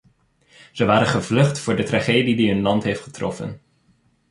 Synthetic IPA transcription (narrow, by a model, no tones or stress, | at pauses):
z̥əʋaːɾənχəvlɵχtfʊːɹdətraχeːjdidiɦɵnlɑntɦejftχə̥trɔ̰fə̰n